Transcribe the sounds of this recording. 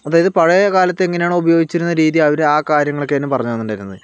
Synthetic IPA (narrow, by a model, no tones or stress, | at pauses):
ɐðaːjɐðɨpɐɻɐjɐkaːlɐt̪ːeeŋːɐnejaːɳɨubɐjo̞ːɡit͡ɕːiɾunːɐɾiːðiɐʋɐɾaːkaːɾjɐŋːɐɭokːeɐnːumpɐrɐɲːaːnːundaːɾunːɐðɨ